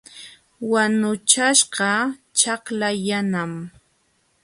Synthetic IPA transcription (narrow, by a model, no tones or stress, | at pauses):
wanʊt͡ʃaʃɢɑt͡ʃɑχlajanam